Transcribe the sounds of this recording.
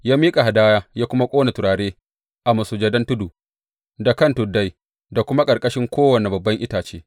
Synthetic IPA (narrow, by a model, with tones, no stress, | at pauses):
jaː˦miː˦kʼa˨ɦa˨daː˦jaː˦jaː˦kʷʊ˦ma˦kʷʼoː˦na˨tʊ˨ɾaː˨ɽeː˦ | ʔa˨mɐ˨suː˨d͡ʒɐ˦dɐ˦ntʊ˦duː˨ | da˨kɐ˦ntʊ˨dːa˦j | da˨kʷʊ˦ma˦kʼɐ˨ɾkʼɐ˦ʃɪ˦ŋkʷʰoː˦wɐ˨ne˨bɐ˨bːɐ˦ŋʔɪ˦taː˨t͡ʃḛː˦